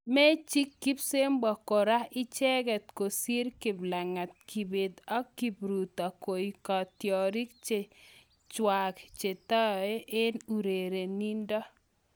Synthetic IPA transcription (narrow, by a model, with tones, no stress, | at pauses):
mɛ˦t͡ʃi˦kːi˦pse˦mbɔ˨kɔ˨ɾa˦ɪ˦t͡ʃɛ˦ɡɛ˨t̪ko˨si˦ɾki˨bla˨ŋa˨t̪̚kʰi˨be˨d̪a˦kːi˨bɾu˨t̪a˨ko˨i˨kɔ˨t̪jɔ˨ɾi˦kt͡ʃe˨ | t͡ʃwa˨kt͡ʃe˨t̪ɔ˦e˦ʔe˦nu˨ɾe˨ɾe˨ni˦ndɔ˦